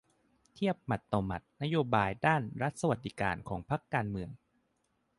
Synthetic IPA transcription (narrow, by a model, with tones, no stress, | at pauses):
t̪ʰi˥˩əp̚ma˨˩t̪ːoː˨˧ma˨˩t̪̚na˦˥joː˧baː˧jdaː˥˩nɾa˦˥t̪̚sa˧wa˨t̪̚ːi˧ka̰ː˧nkʰɔː˩˦ŋpʰa˦˥kːaː˧nmɯ˧əŋ